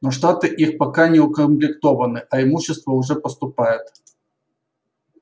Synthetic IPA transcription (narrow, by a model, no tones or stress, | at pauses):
noʂt̪at̪ɨʔixpɐkanʲɪʊkəmplʲɪkt̪ovɐnɨʔɐɪmuɕːɪst̪vəʊʐɛpəst̪ʊpajɪt̪